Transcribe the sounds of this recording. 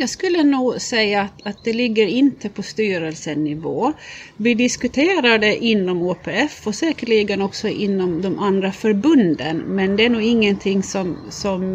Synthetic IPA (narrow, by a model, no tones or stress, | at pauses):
jɑːɡskɵlːənuːɡsɛjːaːt̪at̪̚d̪ɛlɪɡːəɾɪnt̪ʰəpʰɔst̪yːɾəlsənɪvoːvɪd̪ɪskʉt̪ʰeːɾaɖɛʔɪnːɔmoːpʰeːɛfɔsɛːkəɭiːɡənɔksɔʔɪnːɔmd̪ɔmʔand̪ɾafœɾbɵnd̪ə̰nmɛnd̪ɛæɳuːɡɪŋːənt̪ʰɪŋːsɔmsɔm